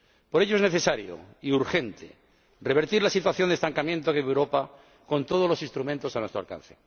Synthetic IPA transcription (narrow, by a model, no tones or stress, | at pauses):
po̞ɾe̞ʝoezneθe̞saɾjo̰iuɾxe̞nt̪ḛ | re̞β̞e̞ɾt̪iɾlasit̪waθjond̪e̞st̪aŋkamje̞nt̪okeβewɾopa | ko̞nt̪o̞ð̞o̞zlo̞sĩnst̪ɾumẽnt̪o̞sanwest̪ɾa̰lka̰nθe